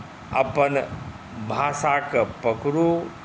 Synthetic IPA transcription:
ɐ̰pən | bʱaːsakpəkɾu

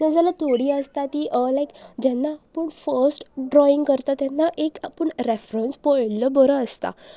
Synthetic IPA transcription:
t̪əd͡zalat̪ʰoɽiːəst̪at̪iːʔəlajkd͡ʑɛnːapəɳfəɾsʈɖɾɔiŋɡkəɾt̪at̪ɛnːaʔekapəɳɾefɾənspɔjləbəɾəəst̪a̰

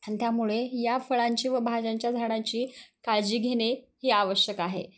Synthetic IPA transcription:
anit̪jamuɭejafəɭaɲt͡ɕiːʋəbʱad͡ʑaɲt͡ɕjad͡zʱaɽ̃ãɲt͡ɕiːkaɭd͡ʑiːɡʱeɽ̃e | hiaʋəɕjəkaɦḛ

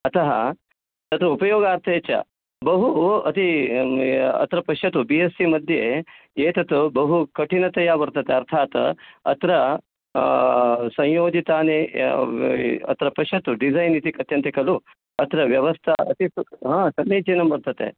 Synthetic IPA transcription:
ɐt̪ʰɐɦɐ̰ | t̪ɐt̪uupɐjoːɡaːɾt̪ʰeːt͡ʃɐ̰ | bɐɦuɐt̪i | ɐ̰t̪ɾɐpɐʃɐt̪ubiesimɐd̪ʱjeeːt̪ɐt̪ubɐɦukɐʈinɐt̪ɐjabɐɾt̪ɐt̪eɐɾt̪ʰaːt̪ɐ̰t̪ɾɐ | sɐ̃jjoːd͡ʒit̪aːneː | ɐ̰t̪ɾɐpɐʃɐt̪uɖizɐjnit̪ikɐt̪jɐnt̪ɐkɐlu | ɐt̪ɾɐʋjɐʋɐst̪ʰɐɐ̰t̪iɦãːsɐnːeːt͡ʃenɐmbɐɾt̪ɐt̪ḛ

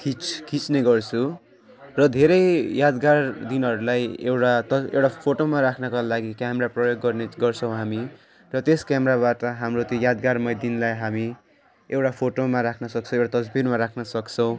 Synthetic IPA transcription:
kʰit͡skʰit͡sneɡʌrt͡sʰu | rʌd̪ʱeɾʌjjad̪ɡard̪inɦʌɾulajḛwʈat̪ʌḛwʈapʰoʈomaɾakʰnʌkalaɡikameɾaprʌjoɡːʌrneɡʌrt͡sʰʌw̃ɦami | rʌt̪eskameɾaβaʈʌɦamrot̪jõjad̪ɡarmʌjd̪inlajɦami | ewʈapʰoʈomaɾakʰnʌsʌkt͡sʰʌ̃ewʈat̪ʌd͡zbiɾmaɾakʰnʌsʌkt͡sʰʌw̃

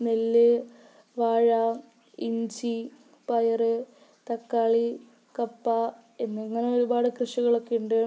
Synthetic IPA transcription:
nelːɨ | ʋaːɻɐ | iɲd͡ʑi | pɐjɐrɨ | t̪ɐkːaːɭi | kɐpːa | e̞nːeŋːɐneo̞ɾubaːɽɨkrɨʂɐɣɐɭo̞kːejuɳɖɨ

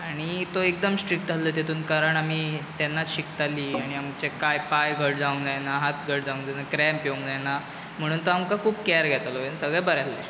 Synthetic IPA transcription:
aɽ̃it̪oek̚d̪əmsʈɾik̚ʈd͡zʱalːəːt̪et̪ʰuːnkaɾəɳamiːt̪janːat͡sɕikt̪aliːaɽ̃iamt͡ɕekajpajɡʱəɽd͡zaũŋɡd͡zajnaɦat̪ɡʱəɽd͡zaũŋɡd͡zanakɾɛmpiuŋɡd͡zana | m̤əɽ̃uːnt̪oamkakʰuːp̚kɛɾɡʱɛt̪əloʋensəɡɭabəɾale

